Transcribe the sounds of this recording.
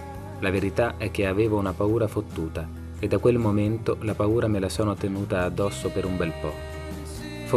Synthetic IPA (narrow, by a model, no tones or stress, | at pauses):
laveɾit̪aʔɛk̟ːeaveːvounapauːɾafot̪ːuːt̪a | ed̪ːakːwelmoment̪olapauːɾamelasɔːnot̪enuːt̪aːd̪ːɔsːopeɾumbɛlpɔ | f